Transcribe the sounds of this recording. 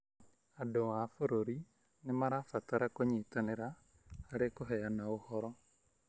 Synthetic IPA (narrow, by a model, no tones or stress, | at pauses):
adowafoɾoɾi | nemaɾafataɾakoɲitaneɾaː | ɾekoɦɛjanaohɔɾɔ